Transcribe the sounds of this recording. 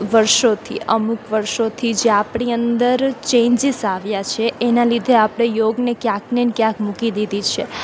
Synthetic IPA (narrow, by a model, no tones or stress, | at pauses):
ʋəɾʃot̪ʰḭʔəmukʋəɾʃot̪ʰid͡ʒeapɳiənd̪əɾt͡ʃẽɲd͡ʒisaʋjat͡ʃʰeʔenalid̪ʱeapɽ̃ejoɡnekjãknenkjãkmukid̪id̪it͡ʃʰe